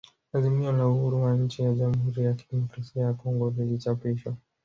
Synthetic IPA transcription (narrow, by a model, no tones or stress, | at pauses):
azimiɔnauhuɾuwaɲ̩t͡ʃijaʄamuhuɾijakidɛmɔkɾasiajakɔŋɡɔvilit͡ʃapiʃɔ